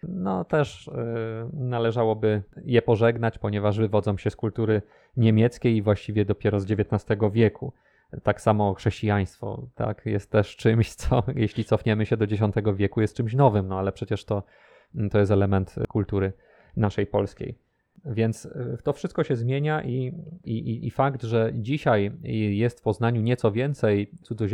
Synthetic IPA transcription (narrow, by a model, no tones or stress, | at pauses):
nɔt̪ɛʂ | nalɛʐawɔbɘjɛpɔʐɛɡnat͡ɕpɔɲɛvaʐvɘvɔd̪zɔ̃w̃ɕɛskult̪uɾɘ | ɲemʲjɛt̪skʲejivwaɕt͡ɕivʲjɛd̪ɔpʲjɛɾɔzd͡ʑevʲjɛt̪nast̪ɛɡɔvʲjɛku | t̪aksamɔxʂɛɕt͡ɕijaj̃st̪fɔ̰t̪a̰kjɛst̪ːɛʂt͡ʂɘmɕt̪sɔjɛɕlʲit̪sɔfɲɛmɘɕɛd̪ɔd͡ʑeɕ̬ɔ̃nt̪ɛɡɔvʲjɛkujɛst̪̚t͡ʂɘmɕ̬nɔvɘmnɔalɛpʂɛt͡ɕɛʂt̪ɔ | t̪ɔjɛs̬t̪ɛlɛmɛnt̪kult̪uɾɘ | naʂɛjpɔlskʲḛj | vʲjɛnt̪st̪ɔfʂɘst̪̚kɔɕɛzmʲjeɲaʔiiiʔifakd̪ʐɛd͡ʑiɕajjɛst̪fpɔznaɲuɲɛt̪ɔvʲjɛnt̪sɛjt̪sud̪zɔʑ